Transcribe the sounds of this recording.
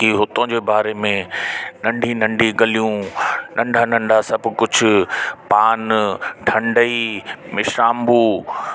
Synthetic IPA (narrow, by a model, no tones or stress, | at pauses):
kiɦʊt̪õːd͡ʑeːbaːɾemẽnɐ̃ɳɖʱinɐ̃ɳɖʱiɡɐlijũnʔɐ̃ɳɖʱanɐ̃ɳɖʱasɐbʱʊkʊd͡ʑʱʊ̆paːnʈʰɐ̃ɳɖʱəimɪʃaːmbuː